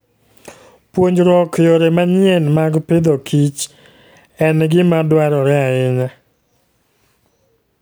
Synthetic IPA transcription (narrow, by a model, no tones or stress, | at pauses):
pwoɲd͡ʒɾɔkjoɾemaɲɪenmaɡpɪd̪okʰit͡ʃ | ɛnɡɪmadwaɾɔɾɛaɪɲa